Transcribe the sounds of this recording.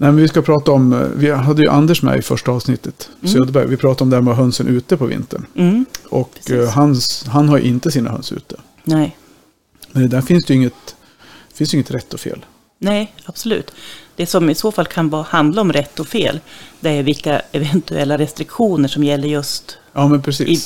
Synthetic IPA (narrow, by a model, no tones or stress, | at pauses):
nɛɪmɛnvɪskapʰɾɑːt̪aɔmvɪɦad̪ːəjɵ̰ʔa̰nd̪əʂmɛ̰jɪfœʂʈaɑːvsnɪt̪ʰːət̪sœːd̪əɾbæ̰ɾvɪpʰɾɑːt̪aɾɔmd̪æːɾmɛːɦœnsənʔʉ̟ːt̪əpʰɔvɪ̰nt̪əɳɔkɦansɦanɦaɾjɵ̰ʔɪnt̪əsiːna̰ɦœ̰nsʉ̟ːt̪ːə | nɛ | mɛnd̪ɛd̪æːɾfɪnsd̪jɵɪŋːət̪ | fɪnsjʏɪŋːət̪ɾɛt̪ːɔfḛːl | nɛɪab̥sɔlʉ̟ːt̪ːd̪̥ɛsɔmɪsoːfalːkʰanvɑːhand̪laɔmɾɛt̪ːɔfḛːld̪ɛæɾjvɪlkːaɛvɛnt̪ɵɛ̰lːaɾɛst̪ɾɪkɧuːnəʂɔmjɛlːəɾjɵst̪ | jɑːmɛnpʰɾɛsḭː